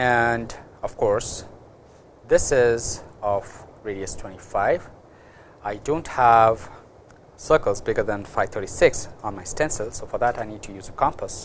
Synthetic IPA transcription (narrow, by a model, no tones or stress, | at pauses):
ɛ̃nd | ʌv̥kʰɔɹs | ðɪsɪzɔfɹeɾiɨstʰw̥ɛ̃ñifaɪv | aɪdõʊ̃nthæv | sɜ˞kəlˠzbɪɡə˞ðæ̃nfaɪvt̪ʰə˞ɾisɪksə̃nmaɪstɛ̃nsəlsofə˞ðætaɪnid̚tʰɨjuːzəkʰɑ̃mpəs